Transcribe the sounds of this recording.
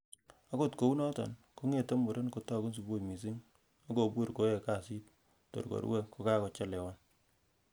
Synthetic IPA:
a˦ko˦tko˨u˦nɔ˦tɔ̰˨nko˦ŋe˦˨to˦mbo˨ɾe˦nko˨tɔ˦˨ku˦ns̬u˨bo˦˨mi˨s̬i˦ŋ | a˦ko˨bu˦ɾko˦je˨ka˦˨si˦t | tːo̰˨ɾko̰˨ɾwe˦ko˨ka˦kɔ˨t͡ʃa˦lɛ˨wa˦n

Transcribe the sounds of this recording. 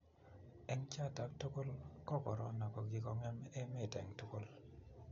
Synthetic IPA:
ɛ˦ŋt͡ʃa˦˨ta˨˦k̚to˦ko˦lkɔ˦kɔ˨ɾɔ˦nɔ˨kɔ˨ɡi˨kɔ˦ŋɛ˦mɛ˦mɛ˨tɛ̰˨ŋto˦ko˦l

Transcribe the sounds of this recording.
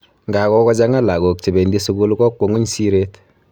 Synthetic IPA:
ŋɡa˨kɔ˦kɔ˦t͡ʃa˦ŋa˦la˨ɡo˨k̚t͡ʃi˨be˨ndi˦su˦ɡu˦lkɔ˦kːo˨ŋu˦ɲsi˦ɾe˦t

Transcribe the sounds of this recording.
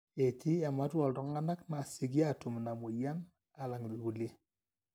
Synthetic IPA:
e˨tʰi˦a˨ma˦twɔ˨ltɔ˨ŋa˦na˦kna˨si˦ɡja˦˨tu˨mna˨mo˨ja˦n | a˨la˨ŋ˨li˨ɡu˨le˦

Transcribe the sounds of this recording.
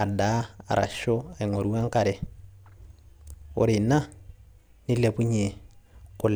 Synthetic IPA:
a˨da˨˦a̰˨ɾʔa̰˨ʃɔ˦a˨i˨ŋo˨ɾu˦wa˦ŋ˦ka˨ɾɛ˨ | ɔ̰˦ɾɪ˨na˦ | ni˦le˨pu˦ɲe˨kʊ˨l

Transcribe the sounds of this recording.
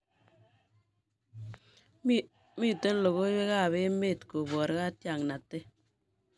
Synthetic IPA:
mɪ˦te˦n˦lo˨ɣo˦e˦ka˦˨βɪ˦me˦˨tko˨bwɔ˨ɾka˦tja˨ŋna˨tɪ˦

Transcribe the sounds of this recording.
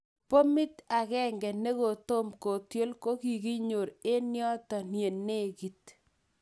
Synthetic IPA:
po˦mi˦ta˨kɛ˦ŋɡɛ˨ne˦ko˨to˦mko˨tjo˦lko˦ki˨ki˦ɲo˨ɾe˦njɔ˦tɔ˨nje˨nːe˦ɣi˨t̚

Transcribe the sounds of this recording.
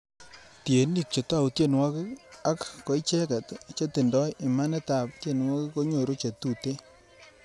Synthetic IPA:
tje˨ni˦˨k̚t͡ʃe˨ta˦˨wu˨tje˦˨nwɔ˦kɪ˦a˦kko˨˦i˦t͡ʃɛ˦kɛ˨t̪t͡ʃe˦tɪ˨ndɔ˦ji˨ma˦nɛ˦ta˨ptje˨nwɔ˦kɪ˦ko˦ɲo˨ɾo˦t͡ʃe˨tu˦˨te˦

